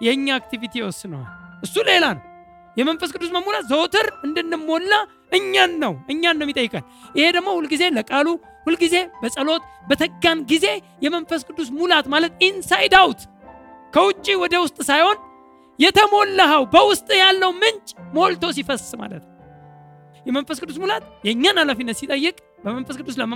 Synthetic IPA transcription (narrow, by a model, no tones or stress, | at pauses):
jɛɨɲːaak̚t̪ivit̪ʰiwɔsːɨnəwa̰ʔɨsːule̞lanəw | jɛmənfəskʼɨd̪ːusməmulat̪zəwt̪ʰɨɾɨnd̪ɨnːɨmːo̞lːa | ʔɨɲːanːəwʔɨɲːanːəwjit̪ʼəjːɨkʼal | ʔɪhe̞d̪əmːo̞hulɡize̞ləkʼalu | hulɡize̞bəsʼəlo̞t̪bət̪ʰəɡːanɡize̞ | jɛmənfəskʰʼɨd̪ːusmulat̪malət̪insajd̪awt̪ | kʰəwʊt͡ʃʼːiwɔd̪əwʊst̪ʼsajho̞n | jɛt̪ʰəmo̞lːəɦəwbəwʊst̪ʼjalːəwmɨnt͡ʃʼmolt̪ʰo̞s̬ifəsma̰lə̰t̪nə | jɛmənfəskʰʼɨd̪ːusmulat̪jɛɲːanalafinːət̪sit̪ʼəjːɨkʼ | bəmənfəskʰɨd̪ːusləmə